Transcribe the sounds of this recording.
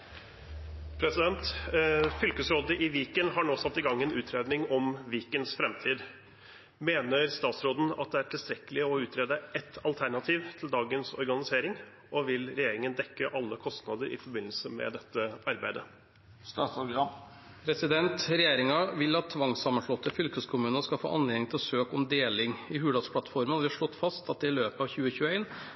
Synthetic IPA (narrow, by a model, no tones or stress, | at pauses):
pʰɾɛsɪd̪ɛnt̪fʏlkəsɾoːd̪əʔɪʋiːkənɦɑɳoːsɑt̪ːɪɡɑŋːɛnʉːt̪ʰɾeːd̪nɪŋɔmʋiːkənsfɾɛmt̪ʰiːd̪ | meːnəɾst̪ɑːt̪sɾoːd̪n̩ɑ̰t̪̚d̪ɛæʈʰɪlst̪ɾɛkəlɪɔʉːt̪ʰɾeːd̪əɛt̪ːɑlt̪ʰæɳɑt̪ʰiːʋt̪ʰɪld̪ɑːɡənsɔ̰ɾɡɑnɪseːɾɪŋ | ʔɔʋɪlɾɛjeːɾɪŋənd̪ɛkːəʔɑlːəkʰɔst̪nɑd̪əɾɪ̰fɔɾbɪnl̩səmɛ̰d̪ɛt̪ːəɑɾbæɪd̪ə | st̪ɑːt̪sɑɑ | pʰɾɛsɪd̪ɛnt̪ɾɛjeːɾɪŋɑʋɪlːɑt̪ʰːʋɑŋsɑmːənʂɭɔt̪ːəfʏlkəskʰʊmʉːnəskɑfo̰ːʔɑnleːnɪŋt̪ʰɪlsøːkɔmd̪eːlɪŋɪhʉːd̪ɑd̪spʰlɑt̪fɔɾmənɔd̪ʋɪʂɭɔt̪ːfɑst̪ɑt̪̚d̪ɛɪløːpəɑʋçʉːəçʉːæɪn